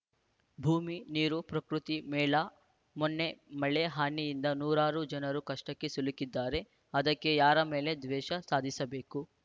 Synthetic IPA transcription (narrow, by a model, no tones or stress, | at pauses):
bʱuːminiːɾupɾɐkɾut̪imɛːla | monːemɐɭeɦaːnijind̪ɐnuːɾaːɾud͡ʒɐnɐɾukɐʂʈɐkːe̞sulikid̪ːaːɾe̞ | ɐd̪ɐkːe̞jaːɾɐmeːle̞d̪ʋɛːʃɐsaːd̪ʱisɐbeːku